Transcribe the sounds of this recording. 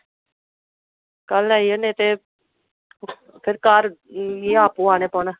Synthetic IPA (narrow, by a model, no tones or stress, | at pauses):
kəlɛijənẽːt̪e | pʰɪɾkaːɾiaːpuːaːneːpɔːna